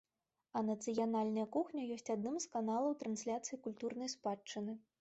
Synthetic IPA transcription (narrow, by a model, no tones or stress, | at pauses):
ɐnɐt̪sɨjanalʲnɐjɐkuxnʲɐjɔsʲt͡sʲad̪̚nɨmskanalˠɐwt̪ɾɐnsʲlʲat̪sɨjikulʲt̪urnɐjspat͡ʂːɨnɨ